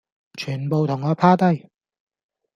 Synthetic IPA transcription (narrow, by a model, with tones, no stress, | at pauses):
t͡ʃʰyː˨˩npo˨˧wt̪ʰʊ˨˩ŋːɔː˨˧˥pʰaː˥t̪ɐ˥j